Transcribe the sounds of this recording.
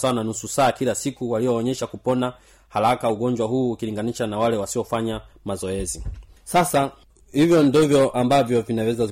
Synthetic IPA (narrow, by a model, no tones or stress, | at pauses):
sawnanususaːkilasikuwaliɔːɲɛʃakupɔna | halakauɠɔɲd͡ʒwaɦuːkiliŋɡaniʃanawalɛwasiɔfaɲamazɔɛzi | sasa | hivjɔndɔvjɔʔambavjɔvinawɛza